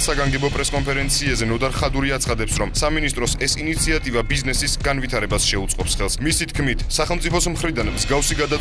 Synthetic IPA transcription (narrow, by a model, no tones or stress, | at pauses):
saɡaŋɡɛbɔpʼɾɛskʼɔnpʰɛɾɛnt̪sʰiazɛnɔd̪aɾχad̪uɾiat̪sχad̪ɛpsɾɔmsaminist̪ʼɾɔsɛsinit̪sʰiat̪ʼivabiznɛsisɡanvit̪ʰaɾɛbasʃɛut̪sʼqʼɔpsχɛlˠsmisit̪ʰkʰmit̪ʰsaχɛlˠmt̪sʼipʰɔsmχɾid̪anmzɡafsiɡad̪a